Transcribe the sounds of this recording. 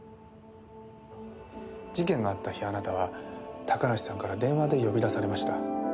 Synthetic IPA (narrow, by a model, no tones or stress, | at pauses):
d͡ʑikẽ̞ŋɡaːt̪ːaçianat̪aβ̞at̪ʰakanaɕi̥sãŋkaɾad̪ẽ̞ɰ̃βad̪e̞jo̞bʲid̪asaɾe̞maɕi̥t̪a